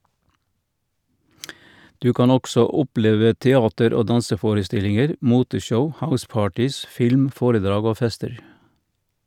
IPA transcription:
ˈdʉː ˈkɑːn ˈɔɡsɔ ˈʊˌpleːʋə tɛˈɑːtəɾ ˈoː ˈdɑnsəˌfoːɾəˌstɪlɪŋəɾ ˈmuːtəˌʃəʊ ˈhaʊˌspɑːʈɪs ˈfɪlm ˈfoːɾəˌdɾɑːɡ ˈoː ˈfɛstəɾ

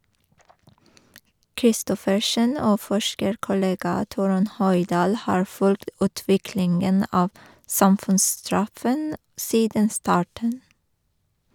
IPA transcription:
kɾɪˈstɔfəʃən ˈoː ˈfɔʃkəɾkʊˌleːɡɑ ˈtuːɾʉn ˈhœjˌdɑːl ˈhɑːɹ ˈfʉlkt ˈʉːtʋɪklɪŋən ˈɑːʋ ˈsɑmfʉnsˌstɹɑfən ˈsiːdən ˈstɑːʈɳ̩

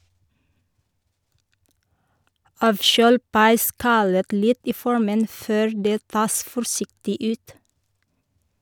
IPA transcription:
ˈɑːʋˌʃøːl pɑɪˈskɑlət ˈlɪt ˈiː ˈfɔɹmən ˈføːɾ ˈdeː ˈtɑːs fɔɾˈsɪktɪ ˈʉːt

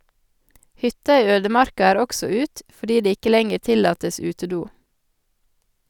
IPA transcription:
ˈhʏtɑ ˈiː ˈøːdəˌmɑɾkɑ ˈæːɾ ˈɔksɔ ˈʉːt fɔˈɖiː ˈdeː ˈɪkə ˈlɛŋəɾ ˈtɪlɑːtəs ˈʉːtəˌduː

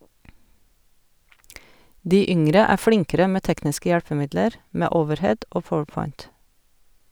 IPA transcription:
ˈdiː ˈʏŋɾə ˈæː ˈflɪŋkəɾə ˈmeː ˈtɛknɪskə ˈjælpəˌmɪdləɾ ˈmeː ˈoːʋəɾˌhɛd ˈoː ˈpɔwəɾˌpɔʏnt

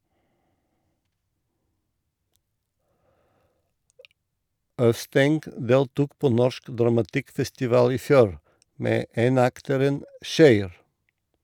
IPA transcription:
ˈœʋˌstɛŋɡ ˈdeːltuːk ˈpoː ˈnɔʃk dɾɑmɑˈtɪkfɛstɪˌʋɑːl ˈiː ˈfjuːɾ ˈmeː ˈeːnɑktəɾən ˈçœʏɾ

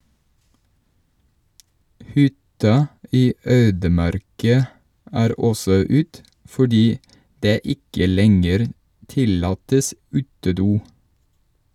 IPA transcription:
ˈhʏtɑ ˈʔiː ˈøːdəˌmɑɾkɑ ˈʔæːɾ ˈɔsɔ ˈʉːt fɔˈɖiː ˈdeː ˈɪkə ˈlɛŋəɾ ˈtɪlɑːtəs ˈʉːtəˌduː

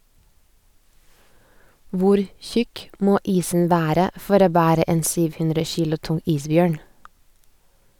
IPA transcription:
ˈʋʊɾ ˈçʉk ˈmoː ˈiːsn̩ ˈʋæːɾə ˈfɔɾ ˈoː ˈbæːɾə ˈeːn ˈsyːʋ ˈhʉndɾə ˈçiːlʊ ˈtʊŋ ˈiːsˌbjøːɳ

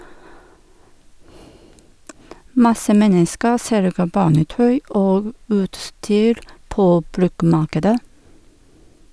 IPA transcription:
ˈmɑsə ˈmɛnəskəɾ ˈsɛlɡə ˈbɑːnəˌtœʏ ˈoːɡ ˈʉːtˌstyːɾ ˈpoː ˈbɾʉkˌmɑːkədə

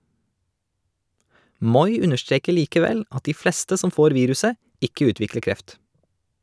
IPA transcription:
ˈmɔʏ ˈʉnəʃˌtɾeːkə ˈliːkəˌʋɛl ˈɑt ˈiː ˈfleːstə ˈsɔm ˈfoːɾ ˈʋiːɾʉsə ˈɪkə ˈʉːtʋɪklə ˈkɾɛft

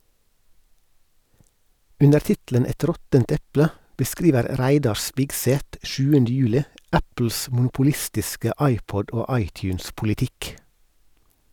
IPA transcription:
ˈʉnəɾ ˈtɪtl̩ən ˈɛt ˈɾɔtənt ˈɛplə bəˈskɾiːʋəɾ ˈɾæɪdɑɾ ˈspɪɡseːt ˈʃʉːəndə ˈjʉːlɪ ˈæpl̩s mʊnʊpʊˈlɪstɪskə ˈɑɪˌpɔd ˈoː ˈɑɪˌtjʉːnspʊlɪˌtɪk

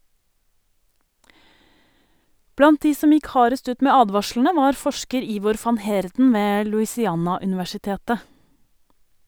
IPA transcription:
ˈblɑnt ˈdiː ˈsɔm ˈjɪk ˈhɑːɾəst ˈʉːt ˈmeː ˈɑːdʋɑʃɭɳ̩ə ˈʋɑːɾ ˈfɔʃkəɾ ˈiːʋɔɾ ˈfɑn ˈheːɾdn̩ ˈʋeː lʉɪsɪˈɑːnɑʉnɪʋæʃɪˌteːtə

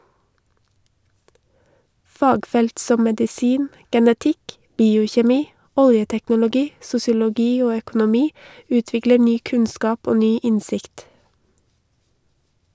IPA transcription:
ˈfɑːɡˌfɛlt ˈsɔ mɛdɪˈsiːn ɡɛnəˈtɪk ˈbiːʊçɛˌmiː ˈɔljətɛknʊlʊˌɡiː sʊsɪʊlɔˈɡiː ˈoː œkʊnʊˈmiː ˈʉːtʋɪklə ˈnyː ˈkʉnskɑːp ˈoː ˈnyː ˈɪnsɪkt

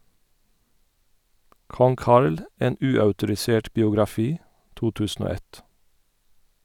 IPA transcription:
ˈkɔŋ ˈkɑɹl ə ˈeːn ˈʉːœʉtʊɾɪˌseːʈ bɪʊɡɾɑˈfiː ˈtuː ˈtʉːsn̩ ˈoː ˈɛt

